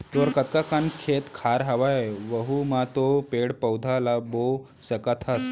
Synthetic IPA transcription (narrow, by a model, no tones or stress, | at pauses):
t̪oɾkət̪̚kakankʰet̪kʰaɾɦaʋaʋəɦumat̪opeɽpəwd̪ʱalabo | səkat̪ʰas